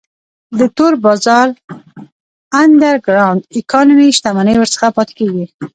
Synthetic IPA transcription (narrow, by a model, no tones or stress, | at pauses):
d̪ət̪oɾbɑzɑɾ | and̪aɾɡɾawnd̪ɪkɑnumiʃt̪amanəjwəɾsə̥xapɑt̪e̥keɡi